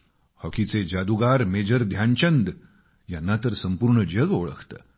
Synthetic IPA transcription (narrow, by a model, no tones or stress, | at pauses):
hɔkit͡sed͡ʑad̪uɡaɾmed͡ʑəɾd̪ʱjant͡ɕənd̪ | janːat̪əɾsəmpuɾɳəd͡ʑəɡoɭə̰kʰt̪ə̰ː